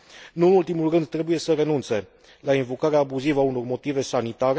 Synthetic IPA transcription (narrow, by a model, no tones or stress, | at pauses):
nuɨnult̪imulrɨnd̪̚t̪ɾe̞buje̞səre̞nunt̪se̞ | lainvo̞kaɾeaːbuzivəauno̞rmo̞t̪ive̞sanit̪aɾe